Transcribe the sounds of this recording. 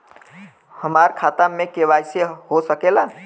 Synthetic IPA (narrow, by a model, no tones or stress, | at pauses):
həmaɾkʰat̪amːekebajsehosəkela